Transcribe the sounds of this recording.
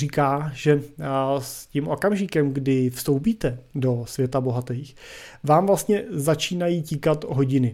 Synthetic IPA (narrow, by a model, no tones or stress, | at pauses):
rikaːʒɛscimʔo̞kamʒɪkɛmɡdɪfst̪o̞wp̬iːt̪ɛdo̞svjɛt̪abo̞ɦat̪ɛjxvaːmvlast̪ɲɛzat͡ʃiːnajiːciːkat̪ɦo̞ɟɪnɪ